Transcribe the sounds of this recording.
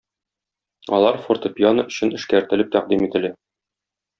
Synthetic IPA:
ɒlˠɑɾfort̪opʲjonɤɵ̆ɕɘnɘ̆ʃkæɾt̪ɘ̆lɘp̚t̪æq̚d̪imit̪ɘ̆læ

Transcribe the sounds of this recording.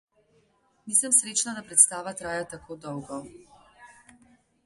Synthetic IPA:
niːsəmsɾeːt͡ʃnad̪apɾɛt̪st̪aːʋat̪ɾaːjat̪akʰoːd̪ɔwɡɔ

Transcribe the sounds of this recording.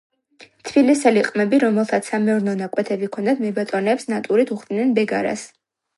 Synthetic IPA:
t̪ʰb̥ilisɛliqʼmɛbiɾɔmɛlˠt̪ʰat̪sʰamɛɔɾnɔnakʼwɛt̪ʰɛbikʰɔnd̪ad̪mɛbat̪ʼɔnɛːpsnat̪ʼuɾit̪ʰuχd̪nɛnbɛɡaɾa̰s

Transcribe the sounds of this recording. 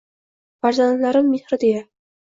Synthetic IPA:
faɾzant̪laɾɪmːehɾɪd̪eja

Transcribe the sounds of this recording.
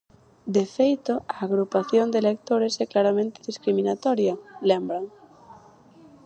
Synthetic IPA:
d̪efejt̪oaːɣɾupaθjond̪elek̚t̪oɾesɛklaɾamẽnt̪eðiskɾimĩnat̪ɔɾjalembɾaŋ

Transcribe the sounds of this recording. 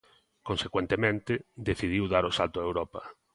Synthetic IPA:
kõnsekwent̪emẽnt̪ɪd̪eθið̞iwðaɾosalt̪oaewɾɔpɐ

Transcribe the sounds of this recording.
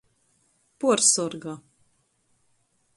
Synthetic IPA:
puɔɾsɔɾɡa

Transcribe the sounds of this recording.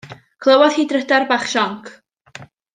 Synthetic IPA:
kʰlˠəwɔðhiːdrədarbaːχʃɔŋkʰ

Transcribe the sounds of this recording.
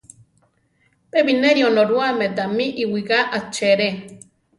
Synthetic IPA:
peβineɾionoɾuamed̪amiʔiwiɣaʔat͡ʃeɾe

